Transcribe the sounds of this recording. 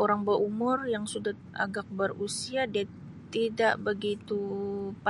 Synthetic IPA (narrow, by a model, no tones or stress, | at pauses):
oɾaŋbəɾʔumʊrjaŋsuda | a̰ɡak̚bərusiada | t̪idaʔbəɡit̪up